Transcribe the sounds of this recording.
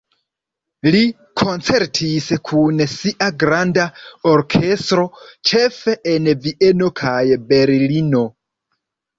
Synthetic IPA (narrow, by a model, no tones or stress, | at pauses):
li | kʰo̞nt͡se̞ɾtʰiskʰunsiʔaɡɾandaoɾkʰe̞stɾo̞t͡ʃe̞fe̞enviʔe̞no̞kʰajbe̞ɾlino̞